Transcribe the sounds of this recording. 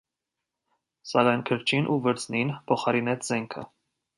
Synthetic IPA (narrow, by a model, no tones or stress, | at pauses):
sɑkɑjnkʰəɾt͡ʃʰinʔuvəɾt͡sʰninpʰɔχɑɾinɛt͡sʰzɛŋkʰə̰